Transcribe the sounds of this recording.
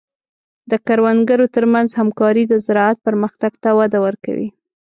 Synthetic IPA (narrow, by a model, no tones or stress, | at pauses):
d̪əkaɾwanɡəɾot̪əɾmanzhamkɑɾid̪əzɪɾɑat̪̚pəɾməxt̪aɡt̪awad̪awəɾka̰wḭ